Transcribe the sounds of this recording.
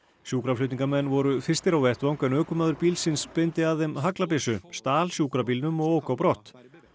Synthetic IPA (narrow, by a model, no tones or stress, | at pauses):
sjuːkɾaflʏːt̪niŋkaɾmɛnːvɔɾʏfɪ̥st̪ɪɾawvɛht̪vawŋkɛnœːkʏmaːðʏɾpiːlsɪnspejnt̪ɪaðɛmɦaklapɪsʏst̪aːlsjuːkɾap̬iːlnʏmɔɣoːwkawpɾɔht̪